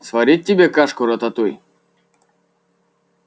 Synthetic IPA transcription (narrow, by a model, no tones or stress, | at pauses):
svɐɾʲit̪̚ʲːɪbʲekaʂkʊɾɐt̪ɐt̪uj